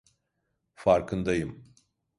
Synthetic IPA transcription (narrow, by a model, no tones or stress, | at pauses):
faɾkʰɯnd̪ajɯm